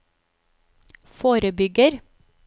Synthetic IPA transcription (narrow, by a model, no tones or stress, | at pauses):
foːɾəbʏɡəɾ